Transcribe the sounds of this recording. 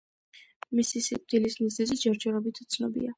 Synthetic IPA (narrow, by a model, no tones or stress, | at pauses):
misisḭd̪̥ilismizɛzid͡ʒɛɾd͡ʒɛɾɔbit̪ʰu̥t̪sʰnɔ̰bḭa